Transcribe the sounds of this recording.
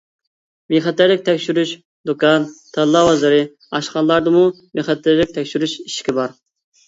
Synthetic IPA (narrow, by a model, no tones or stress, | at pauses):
meχɛt̪ːɪɾlɪk̚ʲt̪ʰɛkʲʃyɾyʃ | d̪okʰɑnt̪ʰɛllːɑwɑzɨɾɨ | ɑʃχɑnlˠɑɾd̪ɨmu | meχɑt̪ʰːɪɾlɪk̚ʲt̪ʰɛkʲʃyɾyʃiʃkʲɪbɑɾ